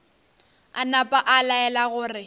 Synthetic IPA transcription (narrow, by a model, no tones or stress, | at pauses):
anapʼaʔalaɛlaɣʊːrɪ